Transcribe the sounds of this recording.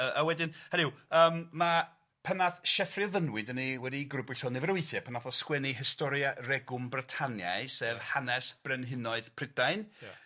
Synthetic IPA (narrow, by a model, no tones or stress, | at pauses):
əʔəwɛdɪnhənɪwəːmma | pʰɛnaθʃɛfrɪvənwɨdəniwɛdiɡrʊbɨɬɔnɛvəɾwɨθjɛpʰənaθɔskwɛniɦɪstɔɾjarɛɡʊmbratʰanja̰jseːvhanɛsb̥rɛnɦɪnɔɨðpʰr̥ɪdajn